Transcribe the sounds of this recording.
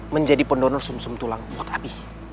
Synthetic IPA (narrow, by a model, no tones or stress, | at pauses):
məɲd͡ʒadipəndɔnɔrsumsumt̪ulaŋbɔt̪apih